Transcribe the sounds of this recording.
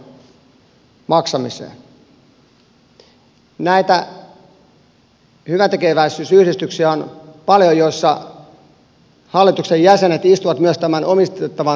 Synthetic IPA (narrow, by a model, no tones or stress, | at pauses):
mɑksɑmisḛː | næit̪æ | hyʋænt̪ekeʋæisysyhɾist̪yksiæonpɑljojosːɑ | hɑlːˑit̪uksejæsenet̪ist̪uʋɑt̪myøst̪æmænomist̪et̪ːɑʋɑ